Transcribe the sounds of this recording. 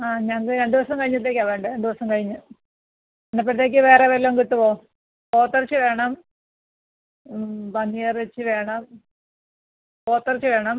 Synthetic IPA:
aːɲɐŋɐkɨɾend̪iʋɐsɐmkɐɻiɲːɐt̪ːe̞ːkːɐʋeːɳɖɨend̪iʋɐsɐmkɐɻiɲːɨ | enːɐp̬ːeɽɐt̪̬ːe̞ːk̬ʲːɨʋe̞ːreʋɐɾlːoːŋkit̪ːupoː | po̞ːt̪ːɐrɐt͡ɕːɨʋe̞ːɳɐm | bɐnːijɐret͡ɕːɨʋe̞ːɳɐm | koːt̪ːɐrit͡ɕːɨʋe̞ːɳɐm

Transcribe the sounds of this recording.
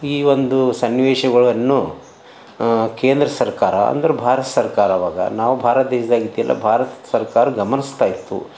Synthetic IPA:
iːʋo̞nd̪usɐnːʋɛːʂɐɡɐɭɐnːu | keːnd̪ɾɐsɐɾkaːɾɐ̰ɐ̰nd̪ɐɾebʱaːɾɐt̪ɐ̥sɐɾkaːɾaːʋaːɡɐ̰naːʋubʱaːɾɐt̪̚d̪eːʃɐd̪aːɡit̪ːijɛlːɐ̰bʱaːɾɐt̪sɐɾkaːɾɐɡɐmɐnist̪aːjit̪ːṵ

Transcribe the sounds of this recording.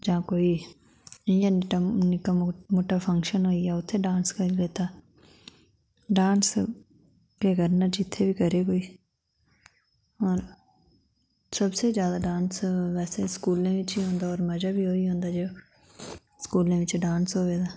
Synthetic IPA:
d͡ʒãːkoːiː | iãnʈanɪkamoːʈaːpʰə̃ŋkʃənɦoːiaːʊt̪ʰːeːɖãːnskəɾileːt̪aː | ɖãːns | kekəɾnaːd͡ʒɪt̪ʰːeːbʱiːkəɾeːɡoːiː | ɔːɾ | səbseːd͡ʒjaːd̪aːɖãːnsʋɛːseskuːlẽːʋɪt͡ʃiːɦõːnd̪aːɔːɾməd͡ʒaːbiːɦoːiːɦõːnd̪aːd͡ʒoː | skuːlẽːʋɪt͡ʃɖãːnsɦoːʋeːd̪aː

